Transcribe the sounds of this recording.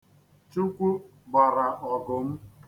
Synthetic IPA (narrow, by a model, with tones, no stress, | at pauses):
t͡ʃu˦kʷu˦ | ba˨ɾa˨ʔɔ˨ɡʊ˨m̩˦